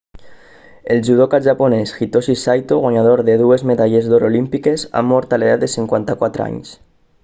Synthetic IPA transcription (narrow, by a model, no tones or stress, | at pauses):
elʒuð̞okaʒaponesxit̪osisajt̪oɣwaɲaðoɾðeðuezmeðaʎezðoɾolimpikeza̰mɔɾt̪aleðat̪̚d̪esiŋkwant̪akwat̪ɾa̰ɲs